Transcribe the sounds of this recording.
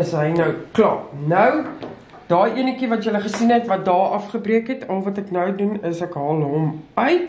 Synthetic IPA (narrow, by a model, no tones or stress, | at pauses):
əsɦəjnœwklɑ̰ːnəw | d̥ɑːjiənəkivɐtjələχəsinɦɛtvɐt̚dɑːʔɐfχəbriəkɦɛtʰɐlˠvɐtɛknœwdunəsækɦɑːlˠɦɔmœɥt